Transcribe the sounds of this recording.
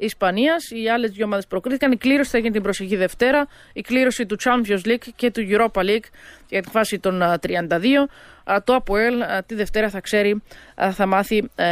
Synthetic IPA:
ispɐniɐsiɐle̞zðjʝomɐðespɾo̞kɾiθikɐnikliɾo̞si̥θɐʝinet̪imbɾo̞seçiðe̞ft̪e̞ɾɐ | ikliɾo̞sit̪ut͡ʃɐnvozlikce̞t̪uʝuɾo̞pɐlikʝɐt̪iɱfɐsit̪o̞nt̪ɾiɐnd̪ɐðio̞t̪oɐpoelt̪iðe̞ft̪e̞ɾɐθɐkse̞ɾiθɐmɐθi

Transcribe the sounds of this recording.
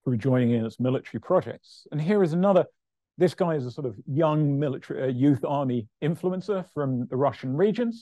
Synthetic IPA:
tʰəbid͡ʒɔ̃ɪ̃ñɪ̃ŋɪ̃nɪtsmɪlɪtəɹipʰɹ̥ɒd͡ʒɛ̰k̚tsə̃nɦɪəɹɨzənʌðə | ðɪsɡ̥aɪɪzəsɔˑɾʌvjʌ̃ŋmɪlɪtəɹiʔəjʉˑθɑːmiɪ̃ɱfluə̃nsəfɹə̃mðəɹʌʃə̃nɹiːd͡ʒə̃nz̥

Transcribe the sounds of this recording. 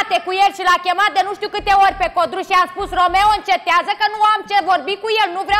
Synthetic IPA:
t̪e̞kujelʃilakʲe̞mat̪̚d̪e̞nuʃt̪iukɨt̪e̞orʲpe̞ko̞d̪ɾuʃiamspusro̞me̞oɨnt͡ʃe̞t̪eazəkənuamt͡ʃevo̞rbikuje̞lnuvɾa

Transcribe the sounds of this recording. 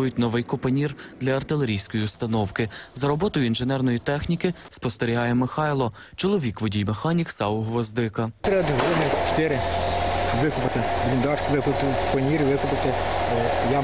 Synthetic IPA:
ɔjʊt̚ʲnɔʋɪjkɔpɐnʲird̪lʲɐɐrt̪ɪlˠeɾʲijsʲkɔjiʊst̪ɐnɔwkɪzɐɾɔbɔt̪ɔjʊinʒenɛrnɔjit̪ɛxnʲikɪspɔst̪eɾʲiɦɑjɛmɪxɑjlˠɔ | t͡ʃɔlˠɔʋʲikʋʊdʲijmexɑnʲiksɑʊɦʋɔzd̪ɪkɐt̪ɾɛd̪ɦɾunʲɪt͡ʃt̪ɪɾʲɪ | ʋɪkʊpɪt̪ɪb̪lʲind̪ɑʃkʋɪkʊt̪ɪkpɐnʲiɾʲiʋɪkʊpɪt̪ɪ | jɑ

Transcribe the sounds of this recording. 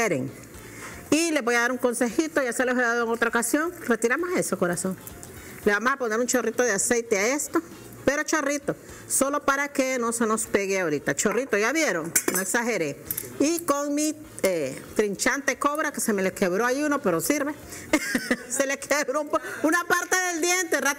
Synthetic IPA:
eɾeŋ | ileβojaðaɾuŋkonsexit̪ojast̪alehoðaðoeŋot̪ɾaokasjonret̪iɾamohesokoɾason | leβamosaponeɾunt͡ʃorit̪oðeasejt̪eaest̪o | peɾot͡ʃorit̪o | solopaɾakenosenospeɣeaoɾit̪at͡ʃorit̪ojaβjeɾoŋnoeksaxeɾeikoŋmi | et̪ɾint͡ʃant̪ekoβɾakesemelekeβɾoajunopeɾosiɾβe | selekʰeβɾompounapaɾt̪eðeld̪jent̪era

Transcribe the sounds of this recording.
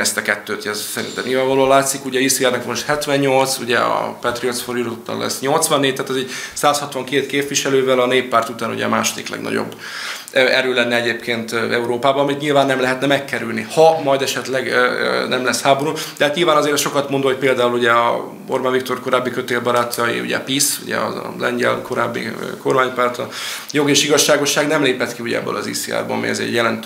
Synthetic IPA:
ɛst̪ɛkɛt̪ːøːt̪ɛzsɛɾḭnt̪ɛ̰mnɲilvaːɱvɒloːlaːt̪sikuɟɛjisiɛrnɛkmoʃt̪hɛt̪ʋɛɲːo̞lt̪sṵɟɛ̰ɒ̰pɛt̪riot̪sfoɾilot̪ːɒ̰nlɛ̰sːɲo̞lt̪sʋɒnːeːct̪ːaːt̪ɛzɛɟsaːshɒt̪ʋɒŋkeːt̪keːpviʃɛløːvɛlɒneːpːaːrt̪ut̪aːnṵɟɛ̰ma̰ːʃod̪ḭklɛ̰ɡnɒ̰ɟo̰bː | ɛɾøːlɛnːɛɛɟeːpkʰeːnt̪ɛuɾoːpaːbɒnɒmit̪ɲilvaːnːɛmlɛɦɛt̪nɛmɛkːɛɾylnihɒmɒjd̪ɛʃɛt̪lɛɡnɛmlɛshaːbo̞ɾud̪̥ɛɦat̪ɲilvaːnɒzeːɾɛʃokɒt̪mond̪oːoc̚peːld̪aːuluɟɛɒ | borbaːnvik̚t̪o̞rko̞ɾaːbːikø̞t̪eːlbɒɾaːt̪ʰɒjḭṵɟɛ̰pisuɟɛ̰ɒ̰lɛ̰ɲɟɛ̰lkʰo̞ɾa̰ːbːḭko̞rmaːɲpaːrt̪ɒjo̞ɡeːʃiɡɒʃːaːɡo̞ʃːaːɡnɛmleːpɛt̪kiuɟɛ̰ɛ̰bːø̰lɒzḭseːa̰ːrbɒ̰ɒ̰mḭjɒzḛːɛɟjɛlɛnt̪

